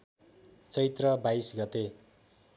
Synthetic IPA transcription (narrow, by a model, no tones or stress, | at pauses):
t͡sʌit̪rʌbaisɡʌt̪e